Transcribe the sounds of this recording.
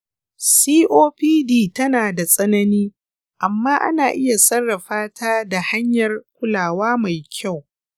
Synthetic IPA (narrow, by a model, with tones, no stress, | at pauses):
siː˦ʔoː˦piː˦diː˦˨tɐ˦naː˨da˨sʼɐ˦nɐ˦niː˦ | ʔa˨mːaː˦ʔa̰˦naː˨ʔɪ˦ja˨sɐ˦rːɐ˨ɸaː˦tʰaː˦da˨ha˦ɲjɐ˨rkʷʊ˦laː˨waː˦ma˨jkʲʰa˦˨w